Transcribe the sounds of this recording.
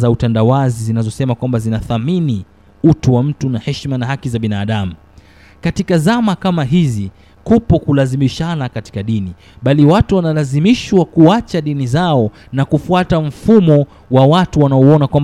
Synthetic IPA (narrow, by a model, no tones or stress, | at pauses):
zautandawazizinazɔsɛmakwambazinaθamini | utuwam̩tunahɛʃmanahakizaɓinaːɗamu | katikazamakamaɦizi | kupɔkulazimiʃanakati̥kaɗini | ɓaliwatuwanalazimiʃwakuat͡ʃaɗinizaɔ | nakufuatam̩fumɔ | wawatuwanaɔɔnakwam